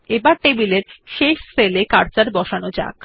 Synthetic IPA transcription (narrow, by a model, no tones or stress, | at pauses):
ebaɾʈebileɾʃeʃselekaɾt͡ɕaɾbɔʃanod͡ʑa̰k